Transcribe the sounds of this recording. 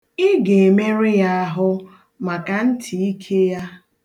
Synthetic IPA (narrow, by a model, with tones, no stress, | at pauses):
ɪ˦ɡe˨e˨me˦ɾɪ˦ja˦a˦ɦʊ˦ | ma˨ka˨n̩˦tʰi˨i˦kʰe˦ja˦